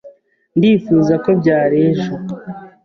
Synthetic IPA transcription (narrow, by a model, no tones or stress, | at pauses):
ndiːfuːzako̞bɟaːɾeːʒo